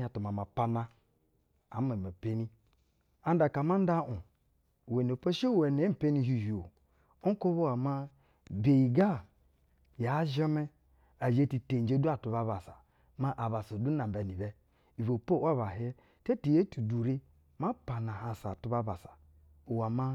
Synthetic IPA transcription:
a˨tu˨ma˨ma˨pa˦na˦ | a˨˦ma˨ma˨pe˦ni˦ | a˨˦n˦da˨ka˨ma˦n˦da˦ʔu˨ | we˨n˨o˨po˦ʃe˦we˨ne˨˦m̩˨pe˦ni˦ɦi˦˨ʒi˨o˨ | o˦ko˦βo˦a˨ma˦ | be˨ji˨ɡa˦˨ | ja˨˦ʒa˦me˦ | a˨d͡ʒe˦ti˨te˨d͡ʒe˦du˦a˨tu˨βa˦βa˨sa˨ | ma˦ʔa˨ba˨sa˨du˦na˨m˨ba˨ni˨bɛ˦ | i˨vo˨po˦˨˦a˦βa˨ɦe˦ | te˦ti˨je˦tu˨du˨ɾi˦ | ma˦pa˨na˨ɦa˨sa˨tu˦ba˦ba˨sḁ˨ | o˨wa˨ma˦

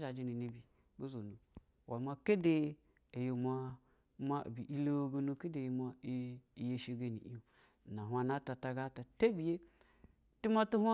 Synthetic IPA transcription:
d͡ʒa˨d͡ʒi˨˦ni˨ni˨bi˨ | ɡo˦zo˨nu˨ | wa˨ma˦ke˦de˦ | e˨jo˨ma˦ | ma̰˦˨bi˨ʔi˦lo˦ɡo˦nu˧ke˦de˨ma˦˨je˦ʃe˨ɡe˨nḭ˨i˦o˨ | na˨ɦwa˨na˦ta˨ta˧ɡa˦ta˨te˦bi˨je˦ | ti˦ma˦tu˦hʷa˦

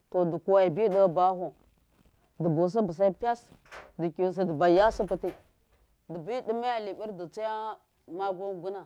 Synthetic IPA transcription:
to˨də˨ku˨wa˨i˨bi˦də˦˨ba˦ɦu˨ | də˨bu˨s̬i˦bə˨s̬a˦i˦pʲa˦sdi˨ki˨s̬i˨də˨ba˨ja˦si˦pə˨ti˦ | də˨bi˦di˦ma˦ja˦li˨bi˦ɾdi˨t͡sa˦ja˦ | ma˦ɡo˦nɡu˦na˨

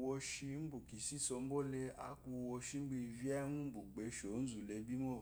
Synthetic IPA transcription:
wo˧ʃi˧˦m̩˦bu˨ki˨si˦so˧m̩˦bo˦le˧a̰˧˦ku˧wo˧ʃi˦ŋ͡m̩˦ɡ͡bi˧i˧vi˦a˦mũ˦bu˨ɡ͡be˨˦ʃo˨˦n̩˦zu˨le˧bi˦mo˦˨

